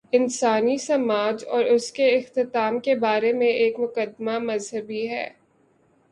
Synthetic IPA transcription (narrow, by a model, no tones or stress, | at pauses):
ɪnsaːnisɐmaːd͡ʒɔːɾʊskeɪxt̪ɪt̪aːmkebaːɾemẽeːkmʊkəd̪mamɐzɦəbiɦɛ̰ː